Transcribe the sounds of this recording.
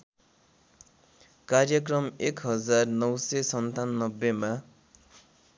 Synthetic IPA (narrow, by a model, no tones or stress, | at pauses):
karjʌkrʌmekɦʌd͡zarnʌwsesʌnt̪anːʌbːema